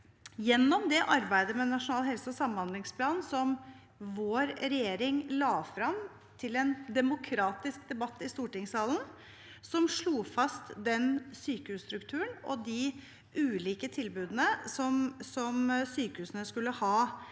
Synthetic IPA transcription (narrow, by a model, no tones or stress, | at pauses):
jɛnːɔmd̪ɛʔɑɾbæɪd̪əmɛnɑʂʊnɑːlɦɛlsɔsɑmːənhɑnd̪lɪŋspʰlɑːnsɔm | ʋoːɾɾɛjeːɾɪŋlɑːfɾɑm | t̪ʰɪlɛnd̪ɛmʊkʰɾɑːt̪ɪsk̚d̪ɛbɑt̪ːɪst̪uːʈɪŋsɑːln̩ | sɔmʂɭuːfɑst̪d̪ɛnsyːkəhʉːsst̪ɾʉkt̪ʰʉːəɳɔd̪ɪ | ʉːliːkət̪ʰɪlbʉːd̪nəsɔmsɔmsyːkəhʉːsənəskʉlːəhɑː